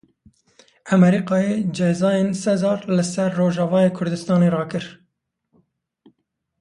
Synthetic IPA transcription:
ʔæmɛɾiːqɑːjeːd͡ʒɛzɑːjeːnsɛzɑːɾlɨsɛɾːoːʒɑvɑːjeːkʰʊɾd̪ɨst̪ɑːneːrɑːkɨɾ

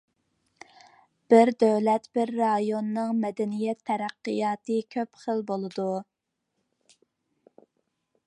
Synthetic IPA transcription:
b̥ɪɾd̪øwlɛt̪b̥ɪɾːɑjonːɨŋmɛd̪ɛnijɛt̪ʰːɛɾæqːɨjɑːt̪ɨkʲʰøpχəlbolˠɨd̪u

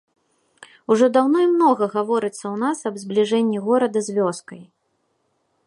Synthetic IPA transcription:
uʐɔd̪awnɔimnɔɣɐɣavɔɾɨt̪sːɐwnasɐbzblʲiʐɛnʲːiɣɔɾɐd̪ɐzʲvʲɔskɐj

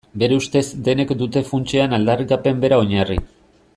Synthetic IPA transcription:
be̞ɾe̞ust̪e̞zd̪e̞ne̞kd̪ut̪e̞funt͡ʃeanald̪arikape̞mbe̞ɾao̞ɲarḭ

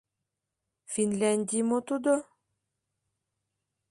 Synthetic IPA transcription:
fʲinlʲænʲd̪ʲimot̪ud̪o

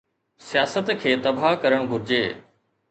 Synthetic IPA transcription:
sijaːsət̪kʰeːt̪ɐbʱakɐɾəɽ̃ɡʱʊɾɪd͡ʑeː

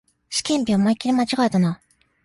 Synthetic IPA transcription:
ɕi̥kʲẽ̞mpʲoomaikʲːiɾʲimat͡ɕiɡaet̪ana

